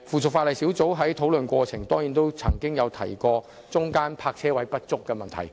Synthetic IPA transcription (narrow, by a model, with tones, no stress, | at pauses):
fuː˨˩t͡sʰʊ˨k̚fa˧lɐ˨jsi˨˥wt͡so˨˥wɦɐ˨˥jt̪ʰo˨˥wlɵ˨nkʷɔː˧t͡sʰɪ˨˩ŋt̪ɔː˥ŋjiː˨˥nt̪o˥wt͡sʰɐ̰˨˩ŋkɪ˥ŋjɐ˨˧wt̪ʰɐ̰˨˩jkɔː˧ | t͡sʊ˥ŋkaː˥npʰaː˧k̚t͡sʰɛː˥wɐ˨˥jpɐ˥t̚t͡sʊ˥kːɛː˧mɐ˨nt̪ʰɐ̰˨˩j